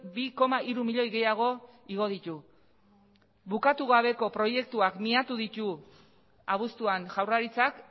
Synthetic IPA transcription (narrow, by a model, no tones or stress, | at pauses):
biko̞maʔiɾumiʎo̞jɣe̞jaɣ̞o̞iɣ̞o̞ð̞it̪u | βukat̪uɣaβ̞e̞ko̞pɾo̞je̞k̚t̪uakmiat̪uðit̪u | aβust̪uanʝawraɾit͡sak